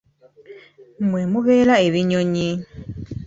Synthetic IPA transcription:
mwemuβeːlaeβiɲoɲi

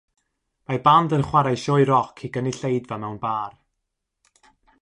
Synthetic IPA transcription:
mabandənχwaɾajʃɔjɾɔkʰiɡəniɬejdvamɛwnbaːr

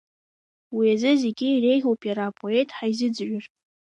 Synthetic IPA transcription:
wiazɨze̞ɡʲɪːre̞jʒʲopʼjaɾapʰʼo̞e̞tʰʼħaizɨd͡zʒᶣʊr

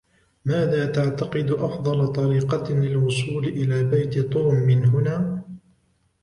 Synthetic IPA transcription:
maːðaːt̪aʕt̪ɑqɨd̪ʔɑfd̪ˤɑlɑt̪ˤɑɾiːqɑlɪlwʊsˤuːlʔɪlaːbajt̪t̪ˤoːmːɪnɦʊnaː

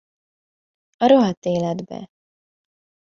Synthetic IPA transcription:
ɒɾoɦɒt̪eːlɛd̪bɛ̰

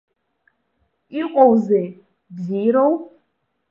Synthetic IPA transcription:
iqʼɔwzɛ | bziɾow

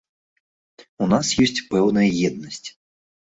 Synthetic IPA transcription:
unasjɔsʲt͡sʲpɛwnɐjɐjɛd̪̚nɐsʲt͡sʲ

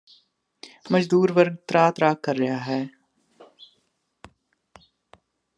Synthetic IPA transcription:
mɐd͡ʒd̪uːɾʋɐɾɡ̚t̪ɾaːt̪ɾaːkːɐɾːɐɦjaːɦɛː

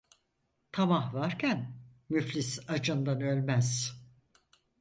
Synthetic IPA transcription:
t̪ʰamahvaɾcʰæn | myflʲisad͡ʒɯnd̪anølʲmæz̥

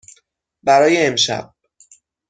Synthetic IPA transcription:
bæɾɒːjeːmʃæ̰b̥̚

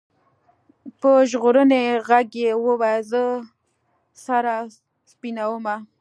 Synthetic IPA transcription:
pəʒɣoɾəneɣaɡjewəwajzə | saɾa | spinawəma

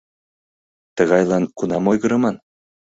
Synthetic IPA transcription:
t̪ɤ̆ɣɑjlˠɑnkunɑmojɣɤ̆ɾɤ̆mɑn

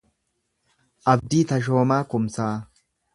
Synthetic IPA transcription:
ʔɐbd̪iːt̪ɐʃ̬o̞ːmaːkʊmsaː

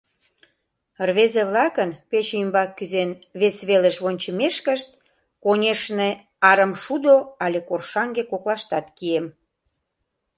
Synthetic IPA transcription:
rβezeβlɑkənpet͡ɕeymbɑkːyzenβesβeleʃβonʲt͡ɕə̆meʃkəʃt̪̚ | konʲeʃne | ɑɾəmʃud̪oɑlʲekorʃɑŋɡekoklɑʃt̪ɑt̪kiem

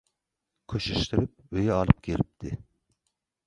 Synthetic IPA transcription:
kʲʰøʃyʃt̪yɾyp̚ | øjɛɑlˠɨp̚kʲʰelip̚t̪ʰɪ

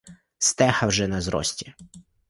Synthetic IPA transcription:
st̪ɛxɐwʒɛnɐzɾɔ̰sʲtʲi

